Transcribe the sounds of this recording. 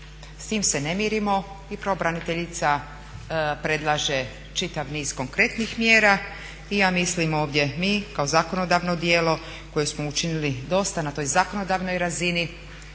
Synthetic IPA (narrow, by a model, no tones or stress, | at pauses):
st̪iːmse̞ne̞miɾimo̞ | ipɾoobɾanit̪eʎit̪sa | pɾe̞d̪lˠaːʒe | t͡ʃit̪aʋniːz̥ko̞ŋkɾe̞t̪nixmjeːɾa | ijaːmislimo̞ːʋd̪ʲje̞miːkaozako̞no̞d̪aʋno̞d̪jeːlo̞ | ko̞jesmo̞ut͡ʃinilid̪o̞st̪anat̪o̞ːjzako̞no̞d̪aːʋno̞jɾazini